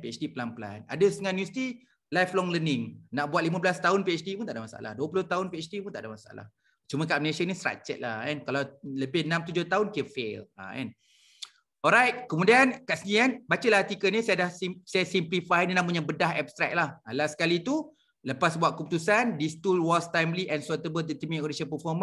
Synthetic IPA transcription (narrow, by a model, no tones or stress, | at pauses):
piɛt͡ʃdipəlanpəla̰na̰dəst̪əŋanːjust̪i | lajflɔŋlənɪŋnaʔbuat̪̚limãblast̪aʊnpiɛt͡ʃdipunt̪aʔdamasaʔa̰la̰hduəpuloht̪aʊnpiɛt͡ʃdipunt̪aʔdamasaa̰la̰h | t͡ʃumə̃kaʔmnesənisɾa̰k̚t͡ʃɛ̰t̪̚lahɛnkalawləbɪhnãmt̪ud͡ʒʊht̪aʊnkiəfela̰ɛ̰n | ɔɾajt̚kəmudiankaʔsənĩkanbat͡ʃəlaht̪ikənisajdahsisajasimplifajnĩnãmuɲabədaɦɛpst̪ɾɛ̰k̚lahalasə̥kalit̪u | ləpasbuaʔkəput̪usandist̪ulwɔst̪ajmliʔɛ̃nsɔt̪əbəld̪ət̪imĩʔoɾisənpəfɔmə̃n